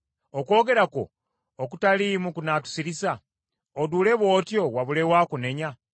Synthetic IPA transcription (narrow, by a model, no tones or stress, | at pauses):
oko̞ːɡe̞ɾako̰ː | kutalimukunatu̥siɾisa | odule̞βo̞ːtjo̞waβulewaːkune̞ɲa